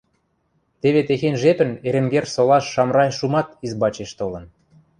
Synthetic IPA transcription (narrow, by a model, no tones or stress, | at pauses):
t̪eβet̪exenʒepə̆neɾĕmɡersolɑʃːɑmrɑjʃumɑt̪izbɑt͡ɕeʃt̪olə̆n